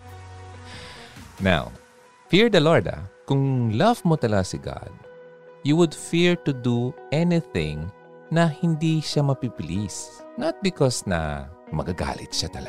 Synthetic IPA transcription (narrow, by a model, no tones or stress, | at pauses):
na̰w | fiɹd̪ɐloɹd̪ɐ̰kʊŋlɐvmot̪ɐlɐɡasɪɡa̰d̪̚ | juwʊd̪fiɹt̪ʊd̪uʔɛnɪθɪ̃ŋ | nɐhɪnd̪iʃamɐpipɪlisnɐt̪̚bɪkɔsnɐ̰mɐ̰ɡɐɡa̰ːlɪt̪̚ʃat̪ɐlɐ